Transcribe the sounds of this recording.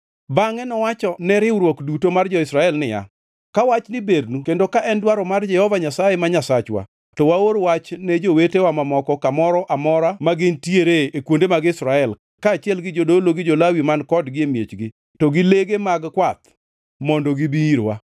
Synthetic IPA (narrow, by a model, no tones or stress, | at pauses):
baŋɛnɔwat͡ʃɔnɛɾɪwɾwɔkdutomard͡ʒɔɪsɾaɛlnɪja̰ | kawat͡ʃnɪbednukendokaʔɛndwaɾɔmard͡ʒɛhɔvaɲasajemaɲasat͡ʃwa̰ | tɔwaoɾwat͡ʃnɛd͡ʒowetewamamɔkɔkamɔɾɔʔamɔɾamaɡɪntjeɾeekwondemaɡɪsɾaɛl | kaːt͡ʃɪɛlɡɪd͡ʒodoloɡɪd͡ʒolawimankɔdɡɪemjet͡ʃɡɪ | tɔɡɪleɡemaɡkwat̪̚ | mɔndɔɡibiiɾwa̰